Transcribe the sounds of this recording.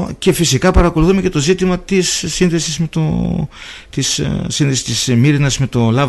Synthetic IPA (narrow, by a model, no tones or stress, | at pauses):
ce̞fisikɐpɐɾɐkoluθume̞ce̞t̪o̞zit̪imɐt̪isːinðe̞sizme̞t̪o̰ | t̪issinðesi̥st̪ismiɾinɐzme̞t̪o̞lɐ